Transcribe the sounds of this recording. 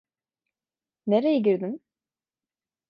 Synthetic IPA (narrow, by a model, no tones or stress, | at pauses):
neɾejeɟiɾd̪im